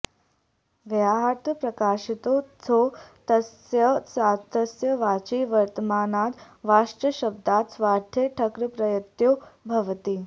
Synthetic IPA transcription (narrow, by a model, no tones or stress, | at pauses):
ʋaɦat̪əpɾɐkaːʃit̪ot͡sʰot̪ɐs | jəsat̪əsjəʋaːt͡ʃiːʋɐɾt̪əmaːnat̪ | ʋaʂʈɾəɕəb̚d̪at̪sʋaːɾt̪ʰjeʈʰəkɾəpɾɐjət̪jobʱɐʋt̪iː